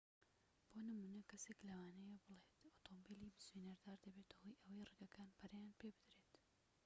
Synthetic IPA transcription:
b̥oːnɨmuːnɐkʰɐseːklɐwaːnɛjebɨlˠeːt̪oːt̪ʰombiliːbɨzenɐɾd̪aːɾd̪ɐbeːt̪ɐhoːjʔɐwejrɨɡɐkaːnbɐɾjaːnpeːbɨd̪ɾeːt̪

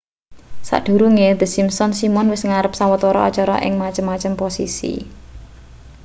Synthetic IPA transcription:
sa̰ʔɖ̪̥ṳɾuŋed̪ə̤simsɔnsimɔnwɪsŋaɾəp̚sawət̪ɔɾɔɔ̰t͡ʃɔɾɔ̰ʔɪ̰ŋmat͡ʃəmːat͡ʃəmposḭsḭ

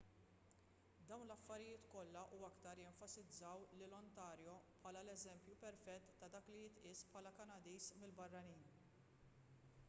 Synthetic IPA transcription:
d̪ɐwnlɐfːɐɾɪjɪːt̪kɔlːɐʔuːɐkt̪ɐɾjɛɱfɐsɪd͡zːɐwlɪlɔnt̪ɐːɾjɔpħɐːlɐlɛzɛmpjupɛɾfɛt̪ːɐd̪ɐːklijɪt̪ʔɪːspʰħɐːlɐkɐnɐd̪iːsmɪlbɐrːɐniːn

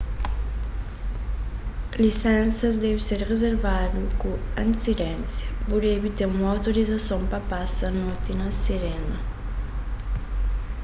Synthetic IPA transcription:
lisɛnsɐzd̪ɛvseɾrezeɾvad̪ukuɐ̃nsiɾɛnsjɐpuɾevit̪eumawt̪oɾizɐsoŋpɐpasɐnot̪inɐseɾɛnɐ

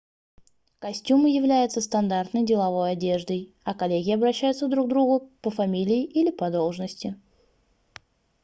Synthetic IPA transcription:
kɐsʲtʲuməjɪvlʲæjɪt̪səst̪ɐnd̪art̪nəjdʲɪlˠɐvo̞jɐdʲe̞ʐd̪əj | ɐkɐlʲeɡʲɪɐbɾɐɕːæjʊt̪səvd̪ɾuɡ̚d̪ɾuɡʊpəfɐmʲilʲɪɪʔilʲɪpɐd̪o̞lˠʐnəsʲtʲɪ

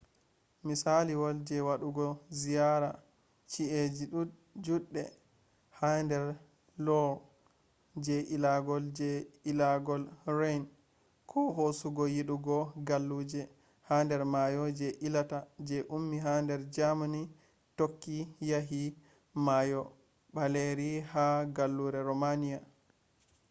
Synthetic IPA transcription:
misaliwɔld͡ʒɛwaɗuɡɔzijaɾa | t͡ʃie | d͡ʒuɗːɛ | handɛɾ | lɔ | d͡ʒɛʔilaɡɔld͡ʒɛilaɡɔlɾajn | kʰɔɦosuɡɔjiɗuɡɔɡalːud͡ʒɛ | handɛɾmajɔd͡ʒɛʔilatad͡ʒɛʔumːiɦandɛɾd͡ʒamani | tokːijaɦi | majɔ | baleɾihaɡalːuɾɛɾɔmanija

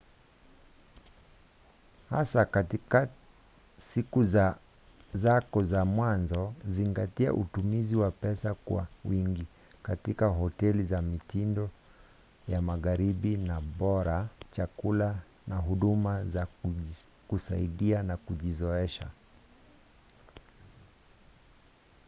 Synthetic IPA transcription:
hasakatika | sikuza | zakɔzamwanzɔziŋɡatia̰ʔutumiziwapɛsakwa̰wiŋɡi | katikaɦɔtɛlizamitindɔ | jamaɣaɾiɓinaɓɔɾat͡ʃakula | naɦuɗumaza | kusa̰iɗianakuʄizɔɛʃa̰

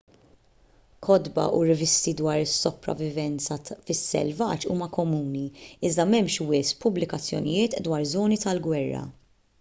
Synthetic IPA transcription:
kʰɔd̪bɐ̰ʔuɾɪvɪst̪id̪wɐːɾɪsːɔpɾɐ̰vɪvɛnt͡sɐfɪsːɛ̰lvɐt͡ʃuːmɐkɔmuːniɪzd̪ɐmɛmʃwɪspʊblɪkɐt͡sːjɔ̰nɪjɪːt̪d̪wɐːɾzɔːnit̪ɐlɡwɛrːɐ̰

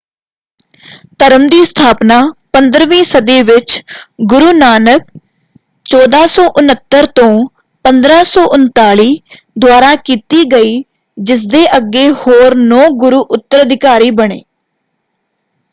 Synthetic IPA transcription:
t̪əɾəmd̪iːst̪ʰaːpnaːpənd̪ɾʋĩːsəd̪eːʋɪt͡ʃɡʊɾuːnaːnək̚ | t͡ʃɔːd̪aːsɔːʔʊnət̪ːəɾt̪õː | pənd̪ɾaːsɔːʔʊnt̪aːɭiː | d̪ʊwaːɾaːkiːt̪iːɡəiː | d͡ʒɪs̬d̪eːʔəɡeːhoːɾnɔ̃ːɡʊɾuːʔʊt̪ːəɾəd̪ʱɪkaːɾiːbəɽ̃ḛː

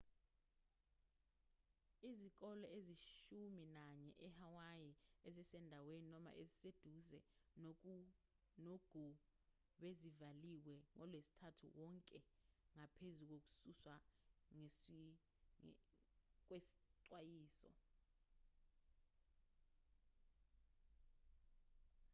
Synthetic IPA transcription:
izik̬ɔlɔeziʃuminaɲɛʔɛhawajiezisɛndʱaweninɔma̰ʔezised̥ʱuzɛ | noɡ̥ʱu | ɓezivaliwɛŋɔlwesi̥tʰatʰṵwɔŋkʼɛŋapʰezuk̬ok̬u̥suswaŋ | k̬ʼwesi̥ǀwajiːsɔ̰

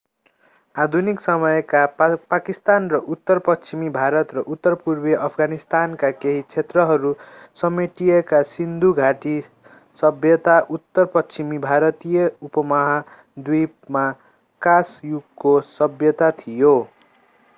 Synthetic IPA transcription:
ad̪ʱuniksʌmʌjkapakist̪anrʌʔut̪ːʌrpʌst͡ʃimibʱaɾʌt̪rʌʔut̪ːʌrpurbeʔʌpʰɡanist̪ankakeɦit͡sʰet̪rʌɦʌɾu | sʌmeʈijʌkasind̪ʱuɡʱaʈi | sʌbjʌt̪aʔut̪ːʌrpʌst͡simibʱaɾʌt̪ijʌupʌmʌɦa | d̪uj | ma | kasjuɡkosʌbjʌt̪at̪ʰijo

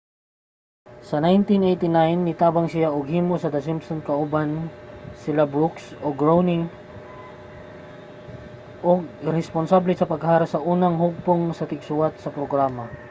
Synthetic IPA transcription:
sɐnajnt̪inejt̪ɪnajnːɪt̪aːbɐŋsɪjaʔoɡhiːmosɐd̪ɐsɪmpsonkɐʔubansɪlabɾuksoɡɹownɪŋ | ʔoɡ̚ɾɛsponsablɛsɐpɐɡɦaːɾɐsɐʔuːnɐŋɦʊɡ̚poŋsɐt̪ɪɡsʊwat̪̚sɐpɾoɡɾaːmɐ

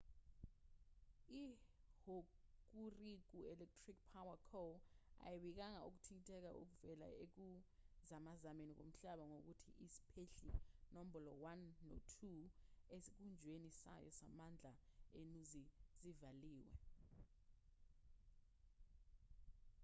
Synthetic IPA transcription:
ihok̬urik̬uɛlɛk̚tʰrik̚pʰawakʰoa̰jeɓik̬aŋauk̬utʰiŋitʼʰɛk̬a̰ʔṵk̬uvɛla̰ek̬uzamazamenik̬o̰m̩ɬaɓaŋok̬utʰḭʔisi̥pʰeɬinom̩bɔlɔwanːo̰tʰuesik̬und͡ʒʱwenisa̰jɔ̰samand͡ɮʱaenuzizivaliːwɛ̰

